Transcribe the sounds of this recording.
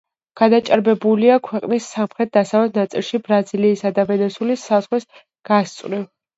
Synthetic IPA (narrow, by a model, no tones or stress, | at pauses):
ɡ̥ad̪at͡ʃʼaɾbɛbuliakʰwɛqʼnisːamχɾɛt̪̚d̪asavɛt̪̚ʰnat̪sʼilˠʃibɾaziliːsad̪avɛnɛsulisaz̥ʁwis | ɡ̥ast̪sʼɾiv